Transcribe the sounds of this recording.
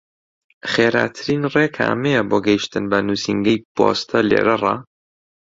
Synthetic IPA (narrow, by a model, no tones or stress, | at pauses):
χeːɾa̰ːt̪ʰɨɾinreːkʰa̰ːmeboːɡɐiʃt̪ɨnbɐnuːsiŋɡɐjpo̰st̪ʰɐlḛːɾɐrˤɑ